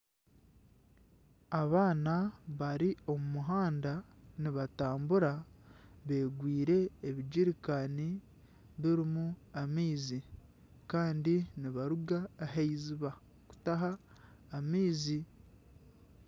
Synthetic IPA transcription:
aβaːnaβaɾio̞mumuɦaːndaniβataːmbuɾa | βe̞ːɡwiːɾe̞ːβid͡ʒiɾikani | βiɾimuamiːzi | kaːndiniβaɾuɡaːɦeiziβa | ku̥taɦaː | miːzi

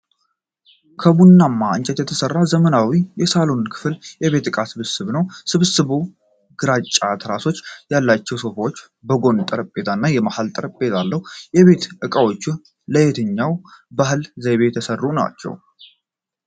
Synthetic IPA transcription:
kʰəbunːamːaɨnt͡ʃʼɛt̪jɛt̪ʰəsərːazəmənawijɛsalonkʰɨ̥fljɛβe̞t̪ːɨkʼasɨβɨsɨβnəwsɨβɨsɨβu | ɡ̥ɨɾat͡ʃʼːat̪ʰɾaso̞t͡ʃːjalːat͡ʃːɛwso̞fawot͡ʃː | bəɡo̞nt̪ʼəɾəpʼːe̞t̪ʰanːajɛmahalt̪ʼəɾəpʼːe̞t̪ʰalːəhujɛβe̞t̪ʔɨkʼəwo̞t͡ʃːun | ləjet̪ʰɨɲːawbaɦɨlzəjβet̪ʰəsərːuna̰t͡ʃːɛ̰w

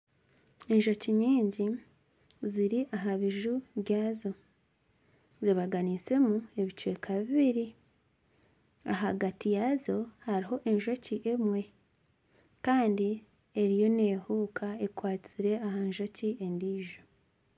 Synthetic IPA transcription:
enʒo̞ciɲiːɲɟi | ziɾiʔaɦaβiʒuβjɟaːzo̞ | ziβaɡanit͡se̞mue̞βit͡ʃuwe̞kʰaβiβiɾi | aɦaɡatijazo̞haɾiɦo̞ʔe̞ɲʒo̞ciʔe̞mwe̞ | kaːndi | e̞ɾijo̞ne̞ːhuːkʰaekwaːt͡siɾe̞aɦaɲʒo̞ciʔe̞ndiːʒo

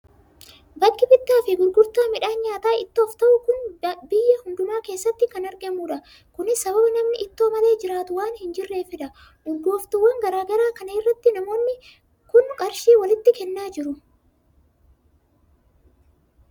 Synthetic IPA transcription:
bɐkːɪbɪt̪ːaːfɪɡʊɾɡʊɾt̪aːmɪᶑaːnɲaːt̪aːʔɪt̪ːo̞ːft̪ɐʔʊkʊnbɪjːɐhʊnd̪ʊmaːke̞ːsːɐt̪ːɪkɐnɐɾɡɐmuːᶑɐ | kʊnɪsɐbɐbɪnɐmnɪʔɪt̪ːoːmɐle̞ːd͡ʒɪɾaːt̪ʊwaːnhɪnd͡ʒɪrːe̞ːfɪᶑɐ | ʔʊɾɡo̞ːft̪ʊwːɐŋɡɐɾaːɡɐɾaːkɐnɐɪrːɐt̪ːɪnɐmo̞ːnːɪ | kʊnkʼɐɾʃiːwɐlɪt̪ːɪkɛnːaːd͡ʒɪɾʊ

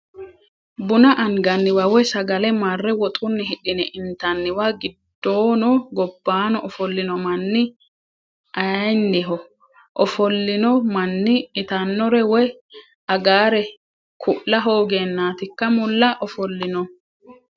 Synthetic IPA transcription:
bʊnɐʔɐŋɡɐnːɪwɐwɔjsɐɡɐlɛmarːɛwɔt̪ʼʊnːɪɦɪɗɪnɛʔɪnt̪ɐnːɪwaɡɪd̪̥ːoːnɔɡɔbːaːnɔʔɔfɔlːɪnɔmɐnːɪ | ʔɐjnːɪɦɔ | ʔɔfɔlːɪnɔmɐnːɪːt̪ɐnːɔɾɛwɔj | ɐɡaːɾɛ | kʰʊʔlɐɦo̞ːɡeːnːaːt̪ɪkːɐmʊlːɐʔɔfɔlːɪnɔ

